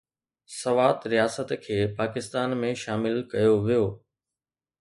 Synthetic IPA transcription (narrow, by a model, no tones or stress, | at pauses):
sɐʋaːt̪ɾijaːsət̪kʰeːpaːkɪst̪aːnmẽʃaːmɪlkɐjoʋijoː